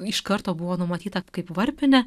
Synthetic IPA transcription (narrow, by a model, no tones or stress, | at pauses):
ɪʃkɐɾt̪oːbʊʋoːnʊmɐt̪ʲiːt̪ɐkɐɪpʋɐɾʲpʲɪnʲɛ